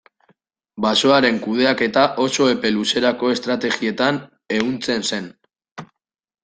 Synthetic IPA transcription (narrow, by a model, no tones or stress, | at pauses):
baso̞aɾe̞ŋkuð̞e̞ake̞t̪aʔo̞so̞e̞pe̞luse̞ɾako̞e̞st̪ɾat̪e̞ɣie̞t̪an | e̞ɣunt͡se̞nse̞n